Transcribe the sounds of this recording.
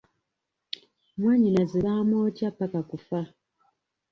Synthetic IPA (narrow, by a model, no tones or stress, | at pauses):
mwaːɲinaziβaːmoːcapːakakufa